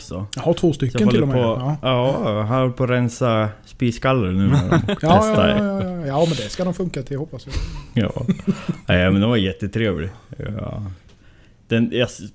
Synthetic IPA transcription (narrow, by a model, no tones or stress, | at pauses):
sɔjahaʈ̪ʰvoːst̪ʏkjːənhɔlɪːlːɔmɔɑːɦanɾhɔlːəpʰɔɾɛnsaspiːskalːəɾnʉ̟ːn̰æ̰ɾ̰mɔɑɛjɑajɑjɑːmɛnd̪ɛskad̪ɔmfɵŋkat̪ʰɪlhɔpːasjajɑ̰ːnæmɛnd̪ɛnvaɾjɛt̪ːət̪ʰɾeːvlɪ̰ | d̪̥ɛnjɑs